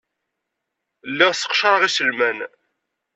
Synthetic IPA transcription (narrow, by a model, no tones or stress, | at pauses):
lːæʁsə̥qʃɾˤəʁisəlmæn